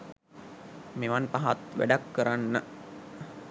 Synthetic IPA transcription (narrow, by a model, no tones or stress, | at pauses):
meʋanpaɦat̪ʋæ̰ɖakːəɾanːə